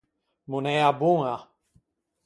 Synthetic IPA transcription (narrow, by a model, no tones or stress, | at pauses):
munejabuŋa